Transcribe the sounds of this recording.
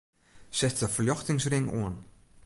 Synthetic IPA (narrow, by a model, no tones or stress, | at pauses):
sɛtəfəljɔxtɪŋsrɪŋṵən